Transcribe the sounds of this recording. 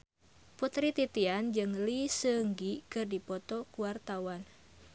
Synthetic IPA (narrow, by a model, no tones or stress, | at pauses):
put̪ɾit̪it̪iand͡ʒɨŋlisəŋɡikɨrdipɔt̪ɔkuwart̪awan